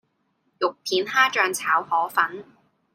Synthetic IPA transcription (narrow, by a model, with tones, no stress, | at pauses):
jʊ˨k̚pʰiː˨˥nhaː˥t͡ʃœː˧ŋt͡sʰaː˨˥whɔː˨˥fɐ˨˥n